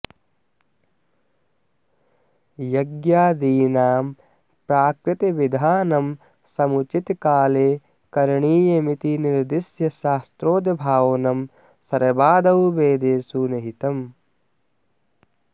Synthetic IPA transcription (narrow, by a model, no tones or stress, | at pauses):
jɐɡjaːd̪iːnaːm | pɾaːkɾɪt̪iʋid̪ʱaːnɐm | sɐmut͡ʃit̪kaːleː | kɐɾɳiːjɐmit̪iniɾd̪isjɐʃaːst̪ɾoːd̪ɐbʱaːwɐnɐm | sɐɾɐbaːd̪ɐwbeːd̪eːsuːnɐɦit̪ɐm